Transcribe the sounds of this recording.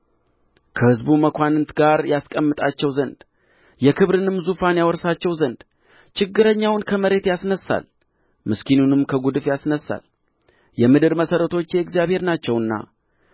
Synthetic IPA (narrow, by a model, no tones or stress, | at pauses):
kʰəhɨzbuməkʰʷanɨnt̪ʰɡaɾjaskʼəmːɨt̪ʼat͡ʃːɛwzənd̪ | jɛkʰɨβɾɨnɨmzufanjawɔɾsat͡ʃːɛwzənd̪̥ | t͡ʃʰɪɡːɨɾəɲːawnkʰəməɾe̞t̪jasnəsːa̰l | mɨskinunɨmkʰəɡud̪ɨfjasnəsːa̰l | jɛmɨd̪ɨɾməsəɾət̪ʰo̞t͡ʃːjɛɨɡzijaβhe̞ɾnat͡ʃːɛwɨnːa̰